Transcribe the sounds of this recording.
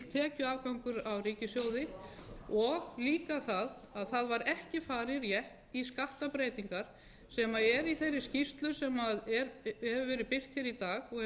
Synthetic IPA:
t̪ʰɛːcʏaːvkawŋkʏɾawriːcɪsjoːwðɪ | ɔɣliːkaθaðaðθaðvaɾɛhcɪfaːɾɪɾjɛht̪iskaht̪apɾeːjt̪iŋkaɾ̥ | sɛmaɛɾiθejɾːɪscist̪lʏsɛmaðɛɾhɛvʏvɛːɾɪðpɪr̥t̪çɛɾit̪aːɣɔɣɛ

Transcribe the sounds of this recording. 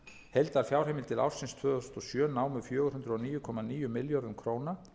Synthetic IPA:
hejlt̪aɾ̥fjawr̥ejmɪlt̪ʰɪla̰w̥sɪnst̪ʰvœːðɔst̪ɔsjœːnaːwmʏfjœːɣʏɾhɦʏnd̪ɾʏɔniːjʏkʰɔmaniːjʏmɪljɔɾðʏmkʰɾoːwna

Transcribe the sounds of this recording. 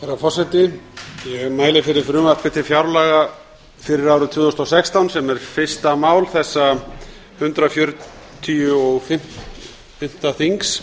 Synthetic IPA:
ɛɾafɔrsɛt̪ɪjɛmaːjlɪfɪɾɪɾ̥fɾʏːmaɾpɪt̪ʰɪfjawɾlɛɣa | fɪɾɪɾaːwɾʏt̪ʰɪːðɔst̪ɔsɛkst̪awnsɛmɛɾ̥fɪ̥st̪amaːwlθɛsːa | hʏnt̪ɾafjœɾ | t̪ʰiʏɔɣfɪm̥ | θɪm̥t̪aθiŋks

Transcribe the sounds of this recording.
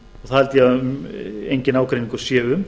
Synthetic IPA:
ɔɣθaɛlt̪jaʏmejɲcɪnaːwkʰɾejniŋkasjɛːʏm

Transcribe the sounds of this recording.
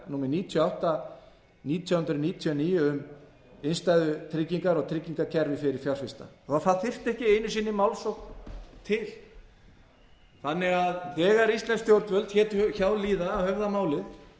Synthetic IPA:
nuːmɛɾniːt̪ʰjɔawht̪a | niːt̪ʰjawhʏnt̪ɾʏniːt̪ʰjiɔniːjʏʏm | ɪnst̪ajðʏt̪ʰɾɪcːiŋkaɾɔɣt̪ʰɾɪcːiŋkacʰɛɾvɪfɪɾɪɾ̥fjawrfɪst̪a̰θaθaðθɪr̥t̪ɛhcɪeːjnʏsiːnːɪmawlsɔwkt̪ʰɪl | θanːɪɣaðt̪ɛːɣaɾist̪lɛnst̪jowɾt̪vœlt̪çɛːt̪çaːwliːðaːhœvðamaːwlɪθ

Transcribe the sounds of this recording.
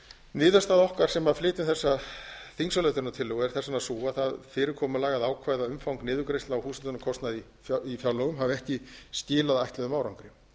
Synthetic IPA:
nɪːðast̪aːðɔhkaɾ̥sɛmaflɪːt̪ɪnθɛsːaθiŋsalœt̪ʏɾnat̪ʰɪlːʏɣɛɾ̥θɛsanasuːaθaðfɪːɾɪɾkʰɔːmʏlaːɣaðaːwkʰvajðaʏmfawŋknɪːðʏkɾɪst̪lnawhuːsɛlnakʰɔst̪naði | ifjawlɔɣʏmɦavɛhcɪscɪːlaðajht̪lɛðʏmaːwɾawŋkɾɪ

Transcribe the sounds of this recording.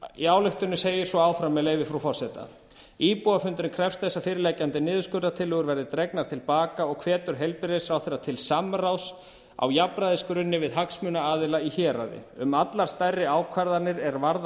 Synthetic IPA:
iaːwlʏht̪ʏnʏseːjɪɾ̥svɔaːwfɾamːɛleːjvɪfɾawfɔr̥sɛt̪a̰ | iːpuafʏnt̪ɾɪnkʰɾɛfst̪θɛsːafɪːɾɪlɛːjcant̪ɪnɪːðʏskʏɾt̪at̪ʰɪlʏːɣʏɾvɛɾðɪt̪ɾɛknaɾ̥t̪ʰɪlpaːkaɔɣkʰvɛːt̪ʏɾ̥ɦejlpɪɾɪsfɾawθɛrːat̪ʰɪlsamraws | a̰wjapɾaðɪskɾʏnːɪvɪðɦaksmʏnaaːðɪlaiçɛːɾa̰ðɪ̰ʏmat̪laɾ̥st̪ajrːɪaːwkʰvaɾðaɾnɪɾɛɾvaɾð

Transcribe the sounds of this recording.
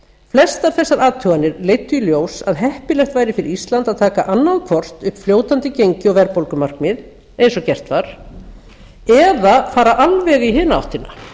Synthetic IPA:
flɛst̪aɾ̥θɛsːaɾaːt̪ʰʏːɣanːɪɾleːjt̪ːʏiljoːwsaðɦɛhpɪlɛxt̪vaːjɾɪfɪɾɪist̪lant̪aðt̪ʰaːkaʔanːaðkʰvɔr̥t̪ʏhpfljoːwt̪ant̪ɪcejɲcɪɔvɛɾpolkʏmar̥kmɪð | ejnsɔcɛr̥t̪vaɾ̥ | ɛðafaːɾaʔalvɛɣiɦɪːnaa̰wht̪ɪnːa

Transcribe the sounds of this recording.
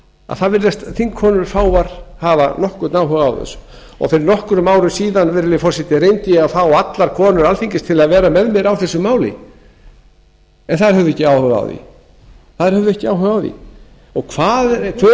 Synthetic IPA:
a̰ðθaðvɪɾðɛst̪θiŋkʰɔːnʏɾ̥faːwvaɾ̥havanɔhkʏɾt̪nawɦœɣaa̰wθɛ̰sːʏ̥ | ɔ̰ɣfɪɾɪɾnɔhkɾʏmaːwɾʏsiːðanvɛɾlɪfɔsjɛht̪ɪɾejnt̪iaθawat̪laɾ̥kʰɔːnʏɾalfiɲcɪst̪ʰɪlaðvɛːɾamɛðmɛɾawθɛsːʏmaːwlɪ̰ | ɛnθaðɪ̥ɾhœvðʏɛcːɪaːwhœɣa̰wðḭ | θaðɪɾ̥hœvðʏɛhcɪawɦœɣaːwðḭ | ɔɣkʰvaːðt̪ʰʏ

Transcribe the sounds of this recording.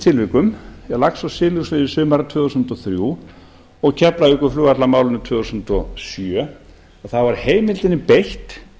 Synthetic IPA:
t̪ʰɪlvɪkʏmjɛlaksawsɪːlʏsvɪːðɪsʏːmaɾat̪ʰɛːðusʏnt̪ɔθɾju | ɔɣcʰɛpɾaʏhkʏ̥fluːɣat̪lamaːwlʏnɪt̪ʰɛːðusʏnt̪ɔsjœ | aθavaɾ̥heːjmɪlt̪ɪnːɪpejht̪

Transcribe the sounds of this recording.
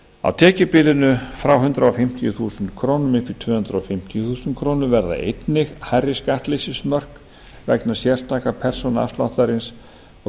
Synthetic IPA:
a̰wt̪ʰɛːcɪpɪlɪnʏfɾawɦʏnt̪ɾaɔfɪm̥t̪ijʏθuːsʏnt̪kʰɾoːwnʏmɪfɪɾ̥t̪ʰvœːhʏnt̪ɾaɔfɪm̥t̪ijʏθuːsʏnt̪̚kʰɾownʏvɛɾða̰ʔḛjt̪nɪxharɪskaht̪lɪsɪsmœr̥k | vɛ̰knḁsjɛr̥st̪aːkapʰɛr̥sɔna̰st̪la̰wht̪aɾɪns | ɔ

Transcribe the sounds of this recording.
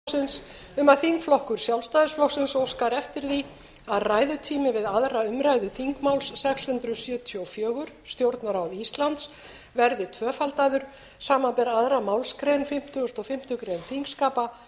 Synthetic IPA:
sɪns | ʏmaðθiŋkflɔhkʏɾ̥sjawlst̪ajðʏsflɔksɪnsɔwskaɾɛft̪ɪɾθi | aðraːjðʏt̪ʰiːmɪvɪðaðɾaʏmɾajðʏθiŋkmawlsːɛkshʏnt̪ɾʏsjœːt̪ʰjowfjœːɣʏɾ̥st̪jowɾt̪naɾawðist̪lant̪s | vɛɾðɪt̪ʰvœːfalt̪aðʏɾ̥ | saːmanpɛɾaðɾamawlskɾejnfɪm̥t̪ʰʏɣʏst̪ɔfɪm̥t̪ʏkɾejnθiŋkskaːpa

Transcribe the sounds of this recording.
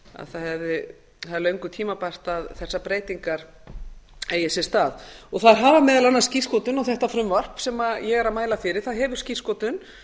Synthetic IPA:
a̰ðθaðhɛvðɪ | aðlœɥŋkʏt̪ʰiːmapar̥t̪aðθɛsːapɾeːjt̪iŋkaɾ̥ | eːjɛsɪ̥st̪aːðɔɣθaðɾɦaːvamɛːðɛlanːḁsciskɔt̪ʏnɔθɛht̪afɾʏmvar̥psɛmajɛɣɛɾaðmaːjlafɪɾɪ̥θaðɦɛːvʏɾ̥sciskɔt̪ʏn

